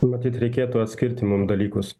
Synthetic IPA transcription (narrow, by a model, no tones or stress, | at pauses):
mɐt̪ʲiːt̪ɾʲɛɪkʲeːt̪uɐt̪ʲsʲkʲɪɾʲt̪ʲɪmʊmd̪ɐlʲiːkʊs